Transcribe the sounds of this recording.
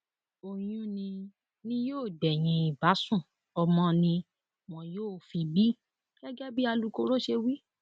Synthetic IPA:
o˨j̃ũ˧nĩ˧ | nĩ˦joː˦˨dɛ˨j̃ĩ˧i˨ba˨˦sũ˦˨ | ɔ˧mɔ̃˦nĩ˧ | w̃ɔ̃˨joː˦˨fi˧bi˦ | ɡ̥ɛ˦ɡɛ˦bi˦a˧lu˨˧ko˧ɾo˦ʃe˧wi˦

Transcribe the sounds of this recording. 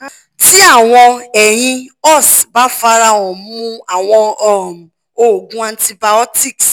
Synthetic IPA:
ti˦a˦˨w̃ɔ̃˧ɛ˨j̃ĩ˧ɔ˦˨sba˨˦fa˧˦ɾa˧wɔ̃˨˦mũ˦a˦˨w̃ɔ̃˧ɔ˨m˨ | o˨ɡũ˨˦ã˧˦ti˧ba˧ɔ˦ti˦˨ks

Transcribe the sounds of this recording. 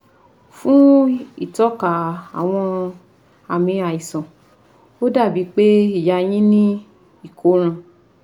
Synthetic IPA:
fũ˦i˦˨tɔ˨˦ka˨a˨w̃ɔ̃˧ | a˨mĩ˧˦a˨i˨sɔ̃˨ | o˦da˦˨bi˨˧˦k͡pe˦i˦˨ja˧˦j̃ĩ˦nĩ˦ | i˦˨ko˨˦ɾ̃ã˧

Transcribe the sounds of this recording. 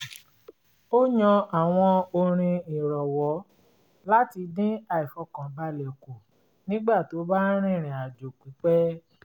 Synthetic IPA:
o˦ɲɔ̃˧a˨w̃ɔ̃˧o˧ɾ̃ĩ˧i˨ɾɔ˨wɔ˨˦ | la˦ti˧dĩ˦a˧i˨fɔ˧˦kã˨ba˦lɛ˨ko˨ | nĩ˦ɡ͡ba˦˨to˨˦ba˦ɾ̃ĩ˦˨ɾ̃ĩ˨a˨d͡ʒo˨k͡pu˨˦k͡pɛ˦

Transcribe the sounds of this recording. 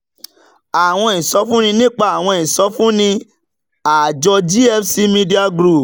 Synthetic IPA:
a˨w̃ɔ̃˧ĩ˨sɔ˨˦fũ˦nĩ˧nĩ˦k͡pa˦˨a˨w̃ɔ̃˧˨ĩ˨sɔ˨˦fũ˦nĩ˧ | a˨d͡ʒɔ˧d͡ʒi˦ɛ˦fsi˦mĩ˧di˦a˧ɡɾu˦˨p

